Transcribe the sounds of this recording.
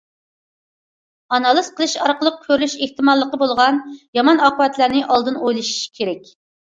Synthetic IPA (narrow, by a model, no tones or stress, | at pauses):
ɑnɑlˠɨz̥qʰəlˠɨʃɑɾqəlˠəq̚kʲʰøɾlyʃeht̪ɨmɑlˠːəqəbolˠʁɑnjɑmɑnɑqəvɛt̪læɾnɪʔɑlˠd̪ɨnojlˠɨʃi̥ʃkʲʰeɾɛkʲ